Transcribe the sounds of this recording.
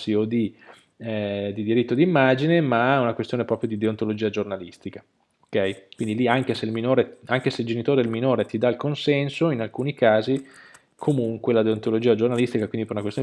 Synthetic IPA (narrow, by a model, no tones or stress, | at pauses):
siod̪i | ɛd̪id̪iɾit̪ːod̪imːad͡ʒinemaaunakwest̪joːnepɾɔːpɾjod̪id̪eont̪olod͡ʒiːad͡ʒornalist̪ikḁ | okɛjkwind̪iliaŋkeselminoːɾeaŋkeseild͡ʒenit̪oːɾelminoːɾet̪id̪alkonsɛnsoinalkuːnikaːzi | kʰomuŋkwelad̪eont̪olod͡ʒiːad͡ʒornalist̪ikakwind̪ipeɾunakwest̪on